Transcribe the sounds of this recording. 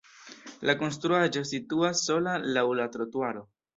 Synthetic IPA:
lʔako̞ns̬tɾuaʒo̞situasːo̞lalawlatɾotuaɾo̞

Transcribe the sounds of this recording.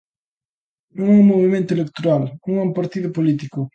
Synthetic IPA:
nõŋɛũŋmːoβimẽnt̪ʊelek̚t̪oɾalũŋɛumpaɾt̪iðʊpolit̪̬ikʊ

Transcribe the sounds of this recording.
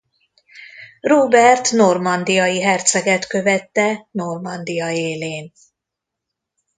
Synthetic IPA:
roːbɛrt̪no̞rmɒnd̪ijɒjiɦɛrt̪sɛɡɛt̪kø̞vɛt̪ːɛno̞rmɒnd̪ijɒeːleːn

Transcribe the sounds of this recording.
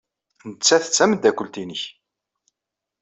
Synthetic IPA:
nət͡sːæθə̥t͡sːæməd̪ækʷːəlt̪inəç

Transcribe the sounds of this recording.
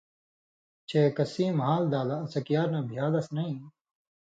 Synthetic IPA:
t͡ɕekɐsiːmɐɦaːld̪aːlaːsɐkijaːɾnãːbʱijaːlɐsnɐĩː

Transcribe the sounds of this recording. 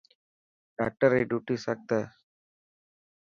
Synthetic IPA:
ɖa̰ːk̚ʈəɾeːɖjuːʈisɐk̚t̪a

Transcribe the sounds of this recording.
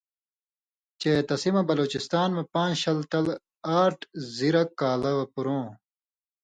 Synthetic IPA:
t͡ɕeːt̪ɐsimɐbɐloːt͡ɕist̪aːnmepãːnɕɐlt̪ɐl | aːʈʰziɾɐkːaːlɐwɐpuɾõː

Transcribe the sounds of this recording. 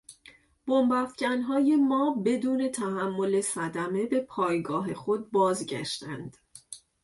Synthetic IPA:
b̥ombæfcænɦɒːje̞mɒːbe̞d̪uːne̞t̪ʰæhæmːo̞le̞sæd̪æme̞be̞pʰɒːjɡɒːɦe̞xo̞d̪̚bɒːzɟæ̰ʃt̪ænd̪̥

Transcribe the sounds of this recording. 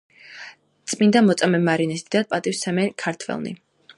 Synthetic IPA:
t̪sʼmind̪amɔt̪sʼamɛmaɾinɛsid̪apʼat̪ʼifsɛmɛkʰaɾt̪ʰvɛ̰lˠnḭ

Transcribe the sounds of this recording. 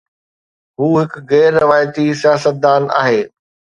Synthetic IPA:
ɦuːɦɪkɣɛːɾːɪʋaːjt̪isijaːsət̪̚d̪aːna̰ːɦeː

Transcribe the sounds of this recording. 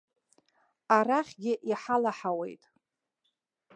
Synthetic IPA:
araχʲɡʲɪʔiħalaħawe̞̰jtʼ

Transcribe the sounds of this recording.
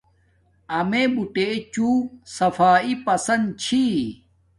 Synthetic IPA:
ɐmebuʈet͡ɕuːsɐfaːipɐsɐnd̪̚t͡ɕʰi

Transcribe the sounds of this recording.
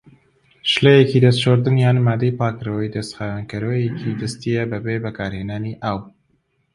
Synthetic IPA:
ʃlejekiːd̪ɐst̪t͡ʃoːɾd̪ɨnjaːnmaːd̪ejpɑːkɨɾɐwɛjd̪ɐst̪xaːwankɨɾwejekʰid̪ɨst̪ijɛbɐbeːbɐkaːɾheːnaːniʔaːw

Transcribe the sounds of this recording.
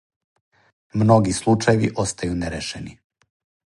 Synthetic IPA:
mno̞ɡislˠut͡ʃajeʋḭʔo̞st̪ajuneɾeʃeni

